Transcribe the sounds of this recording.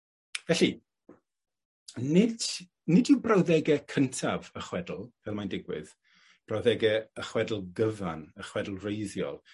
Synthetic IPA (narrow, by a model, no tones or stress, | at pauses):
vɛɬi | nɪd̥ | nɪdɪwbrawðɛɡɛkʰəntʰavəχwɛdl̩ˠvɛlˠmajndɪɡwɪ̰ð | b̥rawðɛɡɛəχwɛdl̩ˠɡəvanəχwɛdl̩ˠrejðjɔ̰lˠ